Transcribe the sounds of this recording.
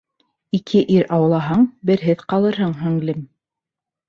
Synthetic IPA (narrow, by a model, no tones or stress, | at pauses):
ikʰɘʔiɾɑw̆lˠɑɦɑɴbɘ̆ɾɦɘðqɑlˠɤ̆ɾɦɤɴɦɵŋlɘm